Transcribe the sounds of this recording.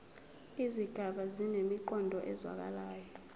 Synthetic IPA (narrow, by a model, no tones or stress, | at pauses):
iziɡ̥ʱaɓazinemiǃɔndʱɔʔɛzwa̰k̬ʼa̰laːjɔ